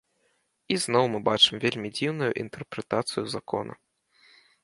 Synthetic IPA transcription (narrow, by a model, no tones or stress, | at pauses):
iznɔwmɨbat͡ʂɨmvʲelʲmʲid͡zʲiwnujuʔḭnt̪ɛrpɾɛt̪at̪sɨjuzakʰɔ̰nʔɐ̰